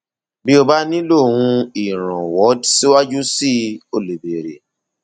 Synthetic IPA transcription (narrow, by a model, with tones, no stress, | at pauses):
bi˦o˧ba˦nĩ˦lo˦˨wũ˧i˨ɾ̃ã˨wɔ˨˦dsi˦wa˦d͡ʒu˦si˦o˧˨le˨be˨ɾḛ˨